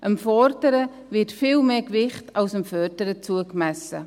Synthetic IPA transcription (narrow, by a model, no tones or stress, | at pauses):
ʔəmfɔɾdəɾə | vɪtfiːlmeːkvɪχtʰɑʊsəmfœːɾdəɾət͡suəkmæsə